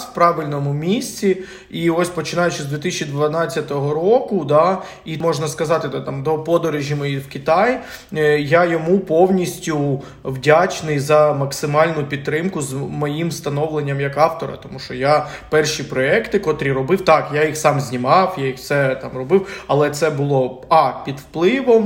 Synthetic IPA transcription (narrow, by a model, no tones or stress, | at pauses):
pɾɑʋɪlʲnɔmʊmʲisʲt͡sʲi | iɔsʲpɔt͡ʃɪnɑjʊt͡ʃɪzd̪ʋʲit̪isʲt͡ʃʲid̪ʋɐnɑt͡sʲːɐt̪ɔɦɔɾɔkʊd̪ɑ | imɔʒnɐskɐzɑt̪ɪd̪t̪ɑmd̪ɔpɔd̪ɔɾɪʒʲimɔjiwkʲit̪ɑj | jajɔmupɔwnʲisʲtʲʊ | ʋdʲat͡ʃnɪjzɐmɐksɪmɑlʲnʊpʲid̪t̪ːɾɪmkʊzmɔjimst̪ɐnɔʋlˠenʲːɐmjɐkɑft̪ɔɾɐ̰t̪ɔmuʃt͡ʃɔja | pɛrʃipɾɔɛkt̪ɪkɔt̪ɾʲiɾɔbɪwt̪ɑkjajixsɑmzʲnʲimɑwjajixfsɛt̪ɑmrɔbɪwɐlˠɛt̪sɛbʊlˠɔɑpʲid̪wplˠɪʋɔm